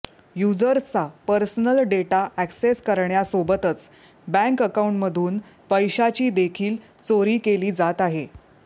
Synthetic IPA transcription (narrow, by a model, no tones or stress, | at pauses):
jud͡zəɾt͡sapəɾsənəlɖeʈaʔækseskəɾɳjasobət̪ət͡s | bæ̃ŋkəkauɳʈməd̪ʱuːn | pəjɕat͡ɕiːd̪ekʰiːl | t͡soɾiːkeliːd͡zat̪aɦe